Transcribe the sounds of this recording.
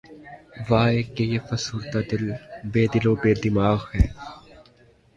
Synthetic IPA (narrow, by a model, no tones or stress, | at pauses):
ʋaːeːkejeːfɐsuːɾt̪aːd̪ɪlbeːd̪ɪloːbeːd̪ɪmaːɣhɛː